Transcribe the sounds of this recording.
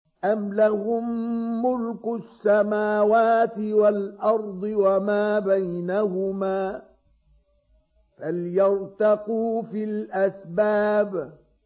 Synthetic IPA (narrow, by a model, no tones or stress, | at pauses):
ʔamlahʊmːʊlkʊsːamaːwaːt̪ɪwalʔɑɾˤd̪ˤɨwamaːbajnahʊmaː | faljɑɾt̪ɑquːfiːlʔasbaːb